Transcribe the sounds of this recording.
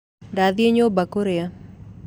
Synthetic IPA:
daðjeɲobakoɾea

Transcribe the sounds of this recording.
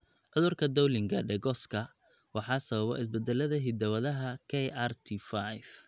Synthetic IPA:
ʕʊðʊrkʰɐd̪ɔwlɪŋɡʰɐɖɛɡɔskʰɐ | wɑħɑːsɐβɐβɔ̰ɪsbɛd̪ɛlɐðɐɦɪd̪ɐwɐðɐɦɐkʰɛjʔart̪ʰifajf

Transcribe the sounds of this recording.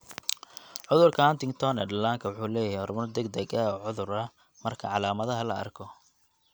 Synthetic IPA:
ʕʊðʊrkʰɐant̪ɪŋt̪ʰɔnɛdɐlaːŋkʰɐwʊħuːlɛːjɦihɔrmɐrd̪ɐɡd̪ɐɡɐɔːʕʊðʊɾɐ | mɐrkʰɐʕɑlaːmɐðɐɦɐlɐɐ̰rkʰɔ

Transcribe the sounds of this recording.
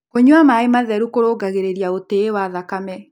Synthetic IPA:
koɲwamaemaðɛɾukoɾoːɡaɣeɾeɾiaoteːwaðakamɛ

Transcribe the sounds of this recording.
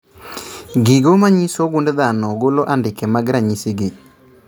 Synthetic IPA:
ɡɪɡomaɲisoɡundɛðanɔɡolɔʔandɪkɛmaɡɪɾaɲisiɡe

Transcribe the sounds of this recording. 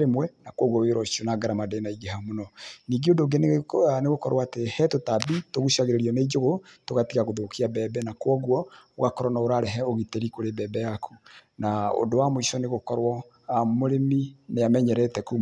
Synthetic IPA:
ɾemwɛnakwɔɣwɔweɾɔʃonaɡaɾamadenaiɡehamonɔniːɡeondoɡeneneɣokɔɾwaːtehɛtotabitoɣuʃaɣeɾeɾiɔned͡ʒoɣotoɣatiɣaɣoðokiabɛbɛnakwɔɣwɔoɣakɔɾɔnaoɾaɾɛɦɛoɣiteɾikoɾebɛːbɛjakʰunao̰ndowamoisɔneɣokɔɾwɔ | moɾemineamɛɲɛɾɛtɛku

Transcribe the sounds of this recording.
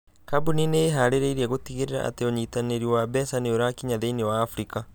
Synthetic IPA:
kabunineɦaɾeɾeiɾiaɣotiɣeɾeɾa̰ʔa̰teoɲitaneɾiwabɛsaneoɾakiɲaðeinewaːfɾika

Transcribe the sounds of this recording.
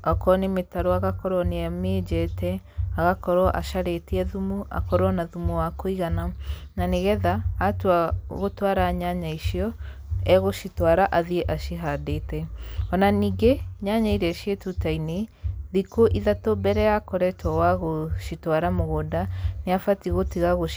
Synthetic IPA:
ɔkɔnemetaɾoaɣakɔɾɔneamed͡ʑɛtɛaɣakɔɾɔʔa̰ʃaɾetiɛðumua̰kɔɾɔnaðumuwakoiɣanananeɣɛðaːtuaɣotwaɾaɲaɲaiʃiɔ | ɛɣoʃitwaɾaʔaðieʔaʃiɦadeːtɛɔnaniːɡeɲaɲaiɾɛʃietutaineðikoʔiðatobɛɾɛjakɔɾɛtɔwaɣoʃitwaɾamoɣodaneafatiɣotiɣaɣo

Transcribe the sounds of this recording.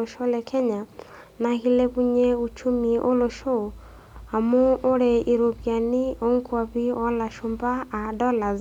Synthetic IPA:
ɔʃɔlɛkʰɛɲa | nahilɛkuɲɛut͡ʃumiʔolɔʃɔ | amuoɾɛʔiɾoβjanioŋkwaβiɔlaʃumbaːɗɔla

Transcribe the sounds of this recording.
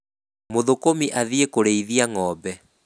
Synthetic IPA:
moðokomiʔaðiekoɾeiðiaŋɔbɛ

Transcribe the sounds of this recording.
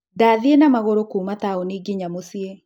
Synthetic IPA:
daːðienamaɣoɾokuːmataoniɡiɲamosie

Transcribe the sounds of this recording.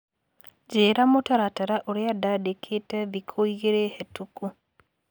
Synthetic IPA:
d͡ʒeɾamotaɾataɾaʔoɾɪadadekʰetɛbikʰoiɣeɾehetuku

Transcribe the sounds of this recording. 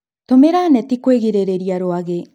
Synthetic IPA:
t̪omeɾanet̪ikueɡiɾeɾeɾiaɾoaɡe

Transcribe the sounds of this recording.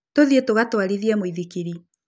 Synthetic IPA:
toðietoɣatwaɾiðiɛmoiðikiɾi

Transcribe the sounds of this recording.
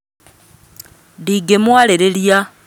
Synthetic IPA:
diɡemwaleɾelja

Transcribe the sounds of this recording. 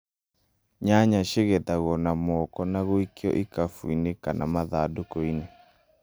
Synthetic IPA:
ɲaɲaʃeɣɛtaɣɔnamɔkɔnaɣoikeɔ̰ʔikafwuinekanʔa̰maðadokoine

